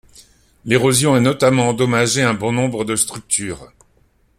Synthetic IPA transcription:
leʁozjɔ̃ɛnɔt̪amɑ̃ɑ̃d̪ɔmaʒeɛ̃bɔ̃nɔ̃bʁəd̪əst̪χyk̚t̪ʰyːʁ

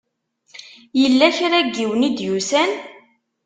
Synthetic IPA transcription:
jəlːæçɾæɡːiwnid̪jusæn

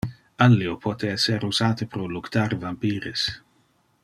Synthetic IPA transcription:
alːiopʰot̪ʰeɛseɾuzaːt̪epɾolukt̪arvampiːɾes

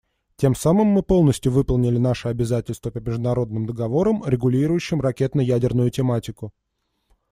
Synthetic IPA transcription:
tʲe̞msamɨmːɨpo̞lˠnəsʲtʲjʊvɨpəlˠnʲɪlʲɪnaʂəɐbʲɪzatʲɪlʲst̪vəpəmʲɪʐd̪ʊnɐɾo̞d̪̚nɨmd̪əɡɐvo̞ɾəmɾʲɪɡʊlʲiɾʊjʉɕːɪmrɐkʲe̞t̪nʊjædʲɪrnʊjʊtʲɪmatʲɪkʊ

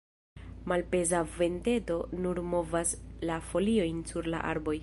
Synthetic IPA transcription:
malpe̞zave̞nte̞do̞nuɾmo̞vaslafo̞lio̞jnsuɾla̰ʔa̰ɾbo̞j

